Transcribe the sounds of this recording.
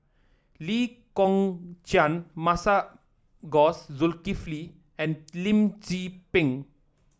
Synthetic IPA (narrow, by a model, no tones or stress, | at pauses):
likɔ̃ŋt͡ʃãnmasa | ɡɔszulkifli | ɛ̃nlĩmd͡ʒipĩŋ